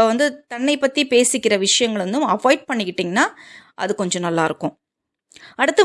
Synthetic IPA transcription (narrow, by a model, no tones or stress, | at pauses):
ʋɐnd̪ɯt̪ɐɳːɐɪpːɐt̪ːipeːsɪkːɪɾɐʋɪʂɐjɐŋɡɐɭɾɯnd̪ɯmɐfoːɪɖ̚pɐɳːɪkːɪʈːiːŋɡɐnːaːʔɐ̰ðɯkɔɲd͡ʒɔ̃nɐlːaːɪɾɯkːʊ̃ | ɐɽɯt̪ːɯ